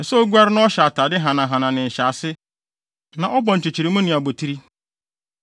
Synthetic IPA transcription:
ɛ˨so˦ɡʷa˦ɾɪ˦nʊ̃˦ɔ˦ɕa˨ta˨dɪ˦ɦã˨nã˨ɦã˨nã˨nɪ̃˨n̩˨ɕa˨sɪ˦ | nã˨ʔɔ˦bɔ̃˨n̩˨t͡ɕɪ˨t͡ɕi˨ɾi˨mʊ̃˦nɪ̃˨a˨bo˨tʰi˦ɾi˦

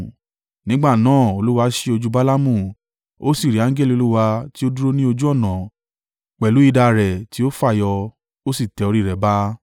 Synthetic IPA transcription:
nĩ˦ɡ͡ba˦˨nãː˦˨o˧lu˦wa˧ʃe˧o˧d͡ʒu˦ba˦la˦mũ˦˨ | o˦si˦˨ɾi˨˦ã˨˦ɡɛ˦li˧o˧lu˦wa˧ti˦o˦du˦ɾo˦nĩ˦o˧d͡ʒu˦ɔ˦˨nã˨ | k͡pɛ˨lu˨˦i˧da˧ɾɛ˨ti˨˦o˦fa˦˨jɔ˧ | o˦si˦˨tɛ˨˧o˧ɾi˦˨ɾɛ˨ba˦

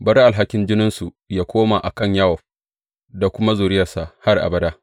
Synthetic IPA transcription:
bɐ˦ɾa˦ʔa˨lɦa˦kʲɪ˦nd͡ʒɪ˦nɪ˦nsu˨ | jaː˦kʷoː˦ma˨ʔa˨kɐ˦˨ɲja˦wɔ˨ɸ | da˨kʷʊ˦ma˦zuː˨ɾɪ˦jɐ˨rsa˨ha˦rʔa̰˨bɐ˦daː˦

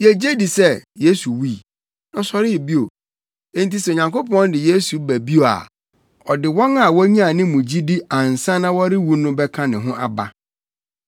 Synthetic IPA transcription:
je˨d͡ʑe˦di˨sɛ˦je˦su˨wiː˦˨ | nʊ̃˦sɔ˨ɾɪ˦˨bi˦o˨ | ẽ˦n˦ti˦sɛ˨o˨ɲã˨ŋko˦pɔ̃˦n˦dɪ˨je˦su˨bæ˨bi˦o˨a̰˨ | ɔ˨dɪ˨wɔ̃˦ŋa˨wɔ˦ɲĩ˦a˨nɪ̃˦mũ˨d͡ʑi˦di˦ã˨n̩˨sã˦nã˦wɔ˦ɾɪ˦wu˦nʊ̃˦bɛ˦kʰã˦nɪ̃˨ɦʊ̃˦ʔa˨ba̰˦

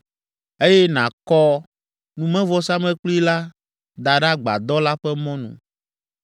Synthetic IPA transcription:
e˦jɛ˦nã˨kɔ˦ | nũ˨mɛ̃˦vɔ˦sa˦mɛ̃˦k͡pli˦la˦ | d̪a˨ɖa˦ɡ͡ba̰˨d̪ɔ˦la˦ɸɛ˦mɔ̃˦nṵ̃˨

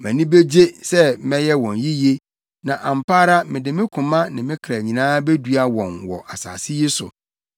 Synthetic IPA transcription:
mæ̃˨nĩ˦be˦d͡ʑe˦sɛ˦mɛ̃˦jɛ˦wɔ̃˨nji˦je˦ | nã˨ʔã˨m̩˨pʰaː˦ɾa˦mɪ̃˨dɪ˨mɪ̃˦kʰʊ̃˨mã˦nɪ̰̃˨mɪ̃˦kʰɾæ˨ɲĩ˨nãː˦be˦du˨˦a˨wɔ̃˨nwɔ̰˨ʔa˨sa̰ː˨sɪ˦ji˦sʊ̰˨

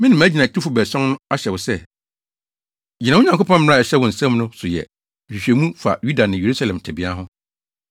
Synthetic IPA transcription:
mɪ̃˦nɪ̃˨m˨æ˦d͡ʑi˨nã˨tʰi˦fʊ˦bɛ˨sɔ̃˦nnʊ̃˦a˦ɕɛ˨wɔ˨sɛ˦˨ | d͡ʑi˨nã˦ʊ˦ɲã˨ŋkʰo˦pʰɔ̃˦m˦a˦˨ɛ˨ɕɛ˦wɔ̃˨n̩˨sɛ̃˦mnʊ̃˦sʊ˨jɛ̰˨ | m̩ᶣ˨i˨ɕᶣɛ˨mũ˦fa̰˨ju˦da˨nɪ̃˨je˨ɾu˦sa˦lɛ̃˨m˨tʰɛ˨bɪ˨˦a˦ɦʊ̃˦

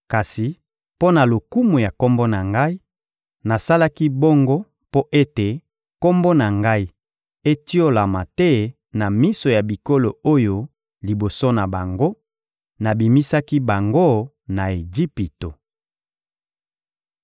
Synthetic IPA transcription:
ka˨si˨ | po˦na˨lo˨ku˦mu˨ja˨ko˦mbo˦na˨ŋɡa˦i˦ | na˨sa˦la˦ki˦bo˦ŋɡo˦ | po˦ʔe˦te˨ | ko˦mbo˦na˨ŋɡa˦i˦ | e˦ti˦o˦la˨ma˨tɛ˦ | na˨mi˦so˨ja˨bi˨ko˦lo˨o˦jo˦ | li˨bo˨so˦na˨ba˨ŋɡo˦ | na˨bi˨mi˦sa˦ki˦ba˨ŋɡo˦ | na˨e˨ɡi˦pi˨to˨

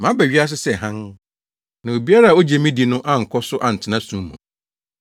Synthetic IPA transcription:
mã˨˦bæ˨ɥi˦a˦s̬ɪ˦sɛ˨ɦã˦n | nã˨o˨bi˦a˦ɾa˦˨o˦d͡ʑɛ˨mĩ˦di˨nʊ̃˦ʔa˦ŋ̩˨kʰɔ˦sʊ˦ʔa˨n̩˨tʰɪ˨nã˦sũ˦mːũ˨

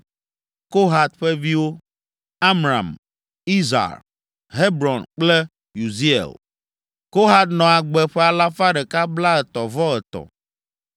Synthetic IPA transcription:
ko˦ɦa˨t̪ɸɛ˦vi˦wo˦ | a˦mɾã̰˨m | i˦za̰˨k | ɦe˦bɾɔ˨nk͡ple˦ | ju˨zi˦ḛ˨l | ko˦ɦa˦t̪nɔ̃˨a˨ɡ͡bɛ˨ɸɛ˦a˨la˦fa˦ɖɛ˨ka˦bla˦ɛ˨t̪ɔ˨vɔ˦ɛ˨t̪ɔ̰˨

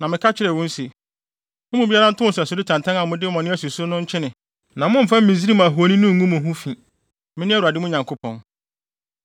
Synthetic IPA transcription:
nã˨mɪ̃˨kʰa˦t͡ɕʰɪ˦ɾɛ˨wʊ̃˦n̩˦se˨ | mʊ̃˦mũ˨bi˦a˦ɾa˦n̩˦tʰʊ˦ʊ̃˨sa˨sʊ˨dɪ˦tʰã˨ntʰã˦ŋã˨˦mʊ̃˦dɪ˦mɔ̃˨nɪ̃˦æ˦su˨su˦nʊ̃˦ɲ̩˦t͡ɕʰɪ˦nɪ̃˨ | nã˨mʊ̃˦m̩˨fã˦m̩˦mĩ˨zi˦ɾi˦mã˨ɦu˨o˨nĩ˦nʊ̃˦ŋ˨˦ũ˦mʊ̃˨ɦʊ̃˦fĩ˨ | mɪ̃˦nɪ̃˦æ˦u˨a˨dɪ˦mʊ̃˦ɲã˨ŋkʰo˦pʰɔ̃˦n

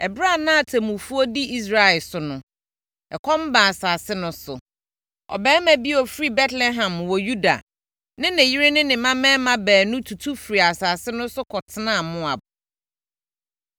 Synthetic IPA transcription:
ɛ˨bɾa˦˨nã˦a˨tʰe˨mũ˨fu˦ɔ˦di˦i˦s̬ɾa˦ɛ˨lsʊ˨nʊ̃˨ | ɛ˨kʰɔ̃˦m˦ba˨saː˨sɪ˦nʊ̃˨sʊ˨ | ɔ̰˨bɛː˦mæ̃˨bi˦ɔ˨fɾi˦bɛ˦tlɛ˦ɦã˨m˨wɔ˨ju˦da̰˨ | nɪ̃˦nɪ̃˨ji˦ɾɪ˦nɪ̃˦nɪ̃˨mã˦mɛ̃ː˦mã˨bæː˨nʊ̃˦tʰu˨tʰu˦fi˨ɾi˨a˨saː˨sɪ˦nʊ̃˦sʊ˦kʰɔ˨tʰɪ˦nã˦˨mʊ̃˦a˨bʊ˨

